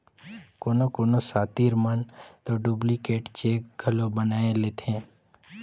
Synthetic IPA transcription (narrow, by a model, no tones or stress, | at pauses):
koːnokoːnosaːt̪iːɾmənt̪oɖuːblikeːʈt͡ʃeːk̚ɡʱəlobənaːeleːt̪ʰẽː